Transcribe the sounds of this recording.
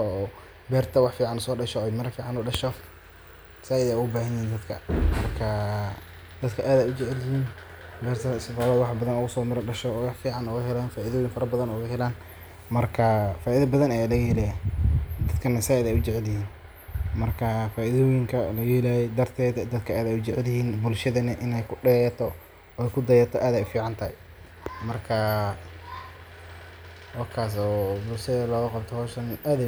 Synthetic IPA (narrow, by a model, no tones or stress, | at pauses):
ɔː | bɛːrt̪ʰɐwɑħfiːʕɑnsɔːɖɐʃɔɛjmɐɾɐfiːʕɑnɔːɖɐʃɔf | nɐsaːɪðɛjʊɣʊbaːɦɐnjɪɦiːnd̪ɐd̪kʰɐ̰mɐrkʰɐ | d̪̥ɐd̪kʰɐʔaːðaːjʊt͡ʃɛʕɛljɪhiːn | bɛːrt̪ʰɐsfaːβɐːwɑħbɐðɐnʊɣʊsɔːmɪɾɔɖɐʃɔːwɑħfiːʕɑnʊɣɐɦɛlaːnfaːʔiðɔjɪŋfɐɾɐbɐðɐnɔɣɐɦɛlaːn | mɐrkʰɐfaːʔiðɐbɐðɐnɛlɐjɛːlɛjd̪ɐd̪kʰɐnɐsaðɛjʊt͡ʃɪʕɛlɪhiːn | mɐrkʰɐfaːʔɪðɔjɪŋkʰɐlɐjɛːlajɛd̪ɐrt̪ʰɛːd̪d̪ɐd̪kʰɐaːd̪ɛjʊt͡ʃɛʕlɪhiːnbʊlʃɐðɐnɐʔɪnɛjkʰʊɖɛjɐt̪ʰɔ | ɛjkʰʊd̪ɐjɐt̪ʰɔʔaːðɛjfiːʕɑnt̪ʰɐhɛ | mɐrkʰɐ | wɑrkʰaːs̬ɔːbʊlʃɐðɐlɔːɣɐqɑbt̪ʰɔhɔːʃɐnʔaːðɛ